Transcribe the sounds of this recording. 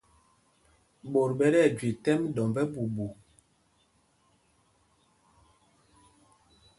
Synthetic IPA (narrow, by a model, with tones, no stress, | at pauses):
ɓo˨ɾɓɛ˦ɾɛ˦˨d͡ʒwi˨tɛ˦mdɔ˨mbɛ˦bu˨bu˨